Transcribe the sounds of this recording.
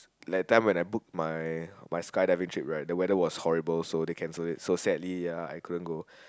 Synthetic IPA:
laj̚ətːãɪ̃mwɛ̃naɪbuk̚majmajskaɪdaɪvĩŋtʰɹip̚ɹaɪt̚dəwɛdəwɔshɔɹibəlsodekʰɛ̃nsoɪt̚sosɛdlijaa̰jkʰudə̃nɡo

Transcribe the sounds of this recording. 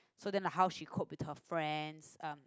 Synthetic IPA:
sodɛ̃nlaɦaʊʃikʰɔt̚wɪthəfɹɛ̃ndsãm

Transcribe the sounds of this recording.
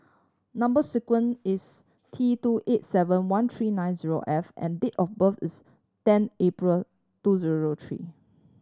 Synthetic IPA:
nãmbəsikwə̃nis | tʰituʔet̚sɛvə̃nwãnt̪ʰɹinãjnziɹo̰ʔɛfʔɛ̰̃nditɔfbəfḭs | tɛ̃nepɹəl | tuziɹot̪ʰɹḭ

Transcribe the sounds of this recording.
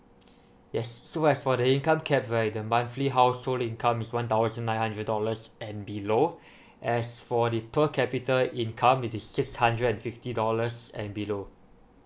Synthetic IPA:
jɛsːoɛsfɔdəĩnkãmkʰɛp̚ɹaɪt̚dəmãnfliɦaʊsholĩnkʰãmiswãnt̪aʊzə̃nːãɪj̃nhãndɹəd̚dɔləsɛ̃nbilo | ʔɛsfɔdəpʰəkʰɛpitəlĩnkʰãmwitissɪkshãndɹədɛ̃nfiftidɔləsɛ̰̃nbilo

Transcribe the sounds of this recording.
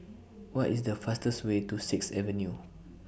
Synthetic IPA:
wɔtisdəfastəswetusɪksɛvə̃nju

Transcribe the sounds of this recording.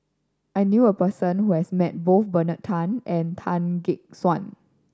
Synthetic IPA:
ʔajnjuəpəsə̃nhuhɛsmɛt̚boθbənətʰãnʔɛ̃ntʰãnɡik̚swãn

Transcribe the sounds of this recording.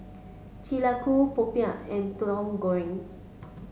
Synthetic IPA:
t͡ʃilakupopiaɛ̃ntlɔ̃mɡɔɛ̃ŋ

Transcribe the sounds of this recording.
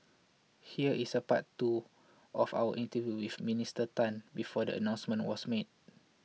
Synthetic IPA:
hiəʔisəpa̰ttu | ʔɔfa̰wə̰ʔĩntəvjuwifmĩnistətãnbifɔdə̰ə̰nãw̃nsmə̃nwɔsmet̚

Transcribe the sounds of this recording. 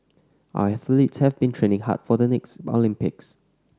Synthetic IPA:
ʔa̰wɛθlitshɛvbĩntʰɹẽnɪ̃ŋha̰t̚fɔdənɛksɔ̰lĩmpɪks

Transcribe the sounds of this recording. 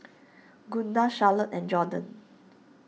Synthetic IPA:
ɡũndaʃalətɛ̃nd͡ʒɔdə̃n

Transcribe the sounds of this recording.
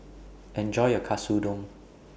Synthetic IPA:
ʔɛ̃nd͡ʒɔɪəkʰasudɔ̃ŋ

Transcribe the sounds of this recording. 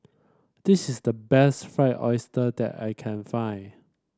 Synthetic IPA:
d̥ɪsɪsdəbɛstfɹaɪtɔɪstədɛ̰ta̰ɪkʰɛ̃nfãɪ̃n

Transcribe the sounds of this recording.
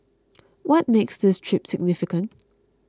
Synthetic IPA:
wɔt̚meksðɪstʰɹ̥ɪpsɪɡ̚nɪfɪkə̃nt

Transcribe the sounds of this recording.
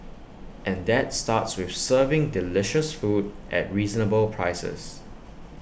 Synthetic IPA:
ʔɛ̃ndɛtstatswɪfsɜvɪ̃ŋdɪlɪʃəsfudʔɛ̰t̚ɹiːznəbəlpʰɹaɪsə̰s

